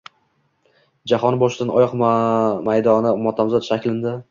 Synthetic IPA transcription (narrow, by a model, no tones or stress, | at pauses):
d͡ʒahɒnɪbɒʃɪd̪anɒjɒqmajd̪ɒnɪmɒt̪ʰamzɒt̪ʃakʲlɪnd̪ɪ